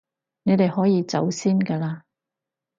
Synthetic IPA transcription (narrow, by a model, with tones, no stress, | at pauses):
ne˨˧jt̪e˨jhɔː˨˥jiː˨˧t͡sɐ̰˨˥wsiː˥nkɐː˧laː˧